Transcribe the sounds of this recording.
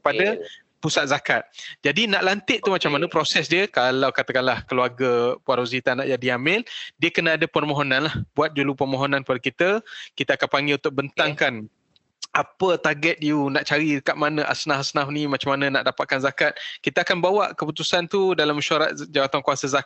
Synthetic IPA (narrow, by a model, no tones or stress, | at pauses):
əpada | pusat̪̚zakat̪̚d͡ʒadinaʔlant̪ɪʔ̚t̪umat͡ʃamːanəpɾosɛsdiəkalawkat̪akanlahkəluarɡəpuaɾozit̪anaʔd͡ʒadiamɪldiəkənaːdapərmoɦonãnlahbuat̪̚d͡ʒulupərmoɦonãnkəpadakit̪əkit̪əakanpaŋɡɪlunt̪ʊk̚bənt̪aŋkan | apət̪arɡɛt̪̚junaʔt͡ʃaɾikaʔ̚manə̃ʔa̰snahasnafnĩmat͡ʃamanənaʔdapat̪̚kanzakat̪̚kit̪əakanbawaʔkəput̪usant̪udalaməʃaɾat̪̚d͡ʒawat̪ankuasəzak